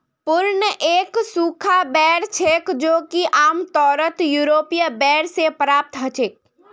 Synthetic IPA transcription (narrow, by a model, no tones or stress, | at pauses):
pʊɾnəʔeːksuːkʰabɛːɽt͡ʃʰeːkd͡ʒoːkiʔaːmt̪ɔːɾət̪juːɾoːpijəbɛːɽsepɾaːp̚t̪ɦɐt͡ʃeːk̚